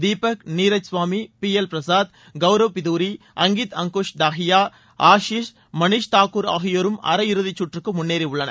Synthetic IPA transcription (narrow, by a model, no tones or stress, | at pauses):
d̪iːpɐkniːɾɐsʋaːmipiɛlpɾɐsaːd̪̚ | ɡɐʋɾɐʋpɪðuːɾi | ɐŋɡit̪ɐŋkuʂd̪aːɦɪjaː | aːʃiːʂ | mɐniʂt̪aːkuːɾa̰ːɦijoːɾɯmɐ̰ɾɐɪɾɯðit͡ʃːuʈrɯkːɯmʊnːeːɾiʊɭːɐnɐ̰